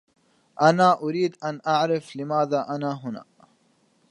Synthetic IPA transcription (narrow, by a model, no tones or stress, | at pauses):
ʔanaːʔʊɾiːd̪ʔanʔaʕɾɪflɪmaːðaːʔanaːɦʊna̰ː